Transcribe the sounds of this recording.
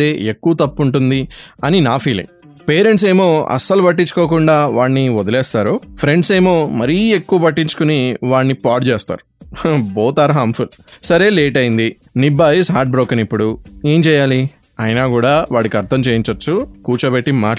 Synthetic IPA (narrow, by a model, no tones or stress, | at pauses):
eːekːuʋɐt̪ɐpːuɳʈund̪iɐninaːpʰiːlḭŋ | peːɾeɳʈse̞ːmo̞ːɐ̰sɐlupɐʈ̬ːiɲt͡ʃu̥ko̞ːkuɳɖaːʋaːɳːiʋɔd̪ɐlɛːst̪aːɾoːpʰɾe̞ɳɖse̞ːmo̞ːmɐɾiːekːuʋɐpɐʈːiɲt͡ʃu̥kuniʋaːɳːipaːʈt͡ʃeːst̪a̰ːɾuboːt̪aːɾɐɦaːmbpʰulsɐɾe̞ːleːʈɐjind̪i | nibaːjisɦaːɾʈ̚bɾoːkɐnipːuɽueːɲt͡ʃɛːjaːli | ɐjnaːkuːɽaːʋaːɽikiɐɾt̪ʰɐmt͡ʃeːjiɲt͡ʃɐt͡ʃːukuːt͡ʃɐbeʈːimaː